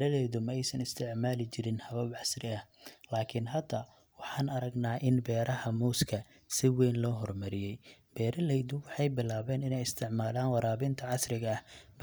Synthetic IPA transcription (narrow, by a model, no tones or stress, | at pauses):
ɾɐlɛjðʊmɛjsɐnɪst̪ʰɪʕmaːlɪt͡ʃʰɪɾɪnhɐβɐbʕɑsrɪɐhlaːkʰɪnɦɐd̪ɐ | wɑħɑːnɐɾɐɡnaːʔɪnbɛːɾɐɦɐmuːskʰɐ | sɪwɛjnlɔːɦɔrmɐɾɪjɛj | b̥ɛːɾɐlɛjðʊwɑħɑjbɪlaːβɛːnɪnɛjɪst̪ʰɪʕmaːlaːnwɑɾaːβɪnt̪ʰɐʕɑsɾɪɣɐɐhb